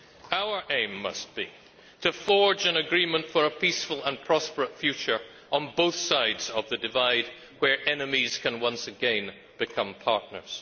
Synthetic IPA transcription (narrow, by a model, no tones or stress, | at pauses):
aʊə˞ʔẽɪ̃mːʌ̰st̚b̥i | ɾɨfɔɹd͡ʒɨ̃nɨɡɹĩmə̃ntfə˞əpisfəl̩ˠə̃npʰɹ̥ɑspə˞ətfjʉt͡ʃə˞ | ə̃nboʊθsaɪdz̥ʌvðɨdɨvaɪd̚ | wə˞ʔɛnɨmiz̥kʰɨ̃nwʌ̃nsɨɡɛ̃n | b̥ɨkʰʌ̃mpʰɑ̰ɹʔⁿnə̰˞z̥